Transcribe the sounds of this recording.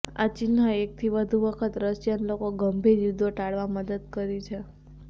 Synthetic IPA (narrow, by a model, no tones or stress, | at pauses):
at͡ʃinːəek̚t̪ʰiʋəd̪ʱuʋəkʰət̪ɾəʃjənlokoɡəmbʱiɾjud̪ʱoʈaɽʋaməd̪əd̪̚kəɾit͡ʃʰe